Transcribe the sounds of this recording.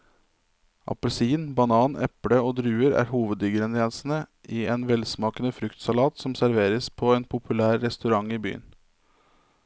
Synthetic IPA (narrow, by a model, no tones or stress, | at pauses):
ʔɑ̰pəlsiːnbɑnɑːnɛ̰pɽəoːd̪ɾʉːəɾæ̰ːɾhuːʋəd̪ʏɡəɾɛnɛnsn̩əʔiːeːnʋɛlsmɑːkənəfɾʉkt̪sɑlɑːt̪sɔmsæɾʋeːɾəspʰoːeːnpʰʊpʰʉlæːɾːɛst̪ʉɾɑŋiːby̰ːə̰n